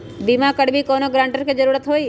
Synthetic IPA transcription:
bimakəɽbʱikoːnoɡɾãːɳʈəɾked͡ʒəɾuːɾət̪ɦoi

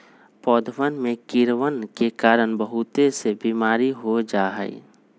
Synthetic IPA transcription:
pɔːd̪ʋənmẽkɪɾʋənkekaːɾəɽbəɦʊt̪esebiːmaːɾiɦod͡ʒaːɦə̰ḭ

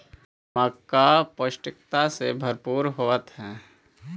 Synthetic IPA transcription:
məkːapəʃʈɪk̚t̪asebʱəɾpuːɾɦoːət̪ɦɛː

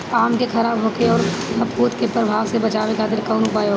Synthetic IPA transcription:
aːmkexʰɐɾaːbɦoːkeɔːɾɐpːuːt̪kepɾɐbʱaːʋsebɐt͡ʃaːʋekad̪ɪɾkɐːnupaːjoː

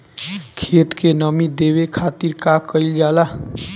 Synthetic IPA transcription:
kʰet̪kenəmid̪eʋekʰat̪iɾkakəild͡ʒala

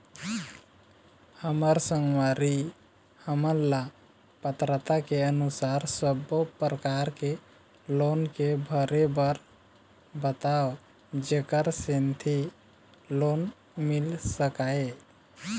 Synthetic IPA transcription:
həməɾsəŋɡʋaɾi | həməla | pət̪ɾət̪akeənʊsaːɾsəbopɾəkaːɾke | loːnkebʱəɾebəɾ | bət̪aːo | d͡ʒeːkəɾsent̪ʰi | loːn | mɪlsəkaːe

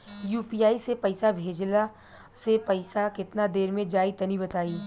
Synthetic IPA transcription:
juːpiːaːisepɐɪsabʱeːd͡ʒla | sepɐɪsakɪt̪nad̪eːɾmẽd͡ʒaːit̪ɐnibɐt̪aːiː

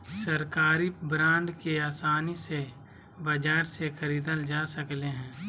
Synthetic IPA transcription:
səɾkaːɾibɾãːɳɖkeaːsaːnise | bəd͡ʒaːɾsexəɾiːd̪əld͡ʒasəkleɦɛ̃ː

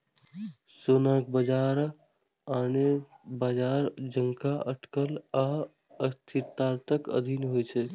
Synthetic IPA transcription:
sonak̚bəd͡ʒaɾ | anebad͡ʒaɾd͡ʒəŋkaəʈkəla | əst̪ʰitt̪aɾt̪əkə̰d̪ʱinɦojt͡ʃʰɛ

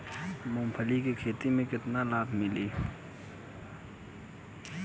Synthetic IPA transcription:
mõːmpʰəlikekʰeːt̪imẽkɪt̪nalaːt̪mɪliː

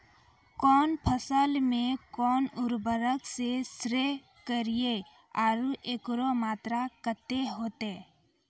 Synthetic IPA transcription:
kɔːnpʰəsəlmẽkɔːnʊɾbəɾəksesɾe | kəɾie | aːɾuʔeːkɾomaːt̪ɾakət̪eɦoːt̪eː

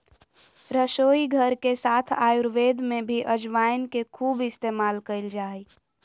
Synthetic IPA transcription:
ɾəʃoiɡʱəɾkesaːt̪ʰaːjuɾʋed̪ʱmebʱiʔəd͡ʒʋajnkekʰuːbɪst̪emaːlkəɪld͡ʒaːj

